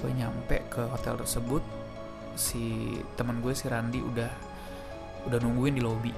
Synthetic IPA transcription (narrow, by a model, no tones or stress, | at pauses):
ɡuɛɲampɛʔkʰəɦot̪ɛ̰lt̪ərsəbʊt̪̚ | sit̪əmənɡuɛsiɾandiʔṵdah | udahnuŋɡuɪndilobi